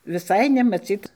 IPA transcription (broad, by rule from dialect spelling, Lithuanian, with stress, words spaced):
ʋʲɪˈsɐɪ nʲɛmɐˈt͡sʲiːt